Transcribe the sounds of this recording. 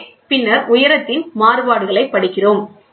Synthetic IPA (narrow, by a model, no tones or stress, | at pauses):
pɪnːɐɾʊjɐɾɐt̪ːɪnmaːrɯʋaːɽɯɣɐɭɐɪpːɐɽɪkːɪroːm